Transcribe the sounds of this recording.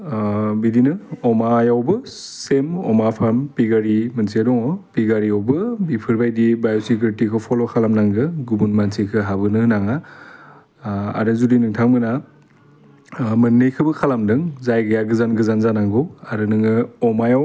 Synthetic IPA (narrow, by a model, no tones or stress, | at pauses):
bidinɯɔmajawbɯsemɔ̰mapʰampiɡaɾimɯnsiadɔŋɔpiɡaɾiawbɯbipʰɯɾbajdibajɔsik̬ɾitikʰɯpʰɔlɔkʰalamnaŋɡɯɡubunmansʰikʰɯɦabɯnɯnaŋa | a̰ɾɯzudinɯŋtʰaŋmɯna | mɯnːɯjkʰɯbɯkʰalamdɯŋzajɡɯjaɡɯzanɡɯzanzanaŋɡɯwaɾɯnɯŋɯɔmajaw